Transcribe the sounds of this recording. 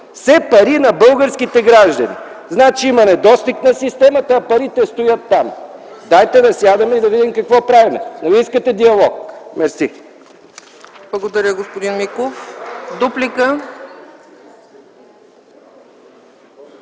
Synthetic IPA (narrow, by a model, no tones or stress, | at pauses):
sɛpɐɾinɐbɤlˠɡəɾskit̪ɛɡɾaʒd̪ɐnḭ | znat͡ʃiimɐnɛd̪ɔst̪iknɐsist̪ɛmɐt̪əːpɐɾit̪ɛst̪ʊjət̪ːam | d̪ajt̪ɛd̪ɐsjad̪ɐmɛid̪ɐvid̪imkɐkvɔpɾavimɛnɐviiskət̪ɛd̪iɐlˠɔkmɛɾsi | blˠɐɡod̪ɐɾʲəɡospod̪inmikofd̪uplikə